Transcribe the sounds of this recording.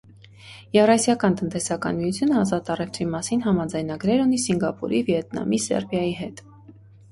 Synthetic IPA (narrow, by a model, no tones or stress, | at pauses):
jɛvrɑsjɑkɑnt̪ənt̪ɛsɑkɑ̰nmiut͡sʰjunəɑzɑt̪ɑrɛft̪ʰvimɑsinɦɑmɑd͡zɑjnɑɡɾɛɾunisiŋɡɑpṵɾivjɛt̪nɑ̰misɛ̰ɾbjɑjiɦɛt̪